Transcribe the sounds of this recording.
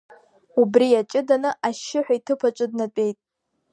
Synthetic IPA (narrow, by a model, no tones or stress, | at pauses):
ubriat͡ʃʼɪdanɨʔaʃɪħʷᶣaitʰɨpʰat͡ʃʷʼɨdnat͡pʼe̞jtʼ